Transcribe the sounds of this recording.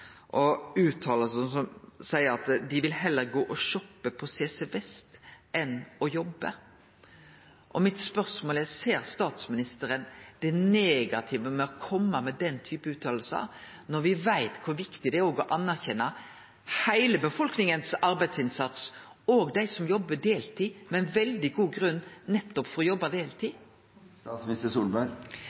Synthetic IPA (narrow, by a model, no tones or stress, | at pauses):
ʔɔʉːt̪ʰɑːləlsəsɔmsæɪəɾɑt̪d̪ɪʋɪlɦɛlːəɾɡoːʔɔʃɔpːəpʰɔseːsɛʋɛst̪ʔɛnɔjɔbːə̰ | ʔɔmɪt̪spœɾsmoːlæseːɾst̪ɑːt̪smɪnɪst̪əɾənd̪̥ɛneːɡɑt̪ʰɪʋəmɛɔkʰɔmːəmɛd̪ɛnt̪ʰyːpəʉːt̪ʰɑːll̩sɑ̰ | nɔɾʋɪʋæɪt̪kʰʊɾʋɪkt̪ɪd̪ɛæɾoːɡɔʔɑnːæʁçɛnːɑ | hæɪləbəfɔlknɪŋənsɑɾbæɪd̪sɪnsɑt̪s | oːɡd̪æɪsɔmjɔbːəɖeːlt̪ʰiːmɛɪnʋɛld̪ɪɡuːɡɾʉnːnɛt̪ːɔpfɔɾʁɔjɔbːɑd̪eːlt̪ʰiː | smɪst̪əsuːlbɑɾ